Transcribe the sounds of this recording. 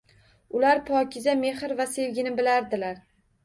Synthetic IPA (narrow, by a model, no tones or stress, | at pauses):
ʊlaɾpʰɒkʲʰɪzame̞hɪɾvase̞vɡʲɪnɪbɪlaɾd̪ɪlaɾ